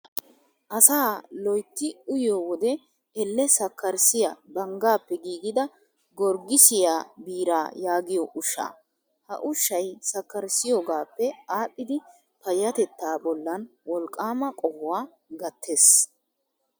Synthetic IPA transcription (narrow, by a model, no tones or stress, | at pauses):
ʔɐsaːlɔjt̪ːɪʊjowɔd̪ɛ | ɛlːɛsɐkːɐɾsɪjabɐŋɡaːpːɛɡiːɡɪd̪ɐ | ɡɔɾɡɪsɪjaːbiːɾaːjaːɡɪjɔʔʊʃːa̰ː | hɐ̰ʔʊʃːɐjsɐkːɐɾsɪjoːɡaːpːɛaːpʼːɪd̪ɪ | pɐjɐt̪ɛt̪ːaːbɔlːɐnwɔlkʼːaːmɐkʼɔɡʊwaː | ɡɐt̪ʰːeːs